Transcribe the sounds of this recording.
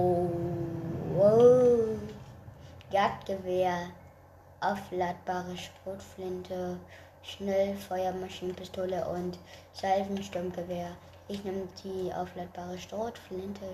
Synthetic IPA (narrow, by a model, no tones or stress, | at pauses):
o | ɡ̥at̚ɡ̥əveːɐ | ʔaʊflat̚b̥aːʁəʃtʁ̥oːtflɪntʰə | ʃnɛlfɔʏɐmaʃiːnənpɪstʰoːləʔʊnt | z̥alfn̩ʃtʊɐmɡəveːɐ | ʔɪçnɪməd̥iːʔa̰ʊflat̚b̥aːʁəʃtʁ̥oːtflɪntʰə